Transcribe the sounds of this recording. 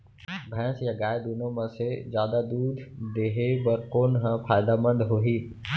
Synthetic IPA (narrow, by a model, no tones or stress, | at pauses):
bʱɛ̃ːsjaɡaːɪd̪uːnõmɐ̃sezjaːd̪ad̪uːd̪ʱd̪eːɦebɐɾkoːnɦə̃pʰaːjd̪amə̃nd̪ɦoɦiː